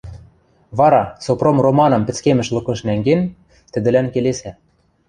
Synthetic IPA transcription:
βɑɾɑsopromromɑnɤ̆mpɘ̆t͡skemɘ̆ʃlɤ̆kɤ̆ʃnæŋɡen | t̪ɘ̆d̪ɘ̆lænkelesæ

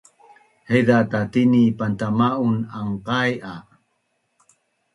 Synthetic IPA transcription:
hejdatatinipantamaunaŋqaja

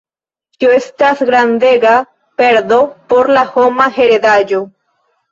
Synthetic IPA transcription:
kioest̪asɡɾand̪eɡa | peɾd̪o̞poɾlahomaheɾed̪ad͡ʒo

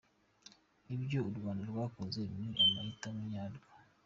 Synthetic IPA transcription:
iβjouɾɡwaːndiwaːkozemiʔamahitamuɲaːlɡa

